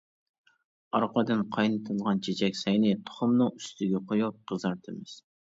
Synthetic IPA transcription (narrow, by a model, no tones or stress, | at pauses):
ɑɾqɑd̪ɨnqʰɑjnɨt̪ʰɨlˠʁɑnt͡ʃʰet͡ʃʰɛkʲsɛjnɪt̪ʰo̥χʊmnɨŋyst̪ʰɪɡʲɛqʰojup̚qəzɑɾt̪ʰɨmɪz̥